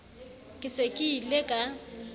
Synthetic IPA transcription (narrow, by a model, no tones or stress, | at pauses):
kʼɪsekʼɪilekʼa